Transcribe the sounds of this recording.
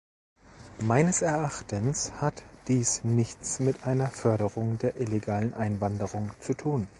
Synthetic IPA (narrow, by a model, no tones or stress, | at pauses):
maɪnəsɛɐʔaχtənshatd̥iːsnɪçt͡smɪtʔaɪnɐfœɐɾəʁʊŋdeːɐʔɪleɡaːlənʔaɪnvandəʁʊŋt͡sutʰuːn